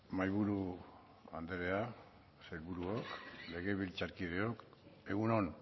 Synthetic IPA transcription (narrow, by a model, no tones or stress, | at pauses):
majβuɾu | and̪eɾe̞a | sejlβuɾuokle̞ɣ̞e̞βilt͡saɾkið̞e̞oke̞ɣunon